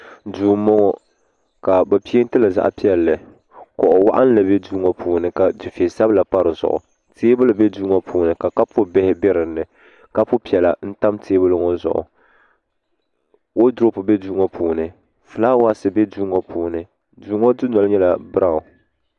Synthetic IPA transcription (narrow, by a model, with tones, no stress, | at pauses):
duː˨mɔ˦ŋɔ˦ | ka˨ba˨pi˦e˦n˦tɨ˦la˨za̰˨ʔpi˦ɛ˨lːɨ˨ | kɔ˨ʔʊ˨wa̰˦ʔa˦n˦la˨bɛ˦duː˦ŋɔ˦pʰuː˨nɨ˨ka˨d͡ʒɪ˨fe˨sa˦bla˨pa˦ɾɨ˨zʊ̰˨ʔʊ̰˨ | teː˦bɨ˦lɨ˨bɛ˦duː˦ŋɔ˦pʰuː˨nɨ˨ka˨ka˦pʊ˦bɛ˦hɪ˦bɛ˦ɾɨ˨nːɨ˨ | ka˦pʊ˦pi˨ɛ˨la̰˨n̩˦ta˦mtʰeː˦bɨ˦lɨ˦ŋɔ˦zʊ̰˨ʔʊ̰˨ | wo˦dʊ˦ɾo˦pʊ˨bɛ˦duː˦ŋɔ˦pʰuː˨nɨ˨ | fɨ˨la˦wa˦˨sɨ˨bɛ˦duː˦ŋɔ˦pʰuː˨nɨ˨ | duː˨˦ŋɔ˦dɨ˦nɔ˨lɲɛ˦la˨bɨ˦ɾa˨ʊ˨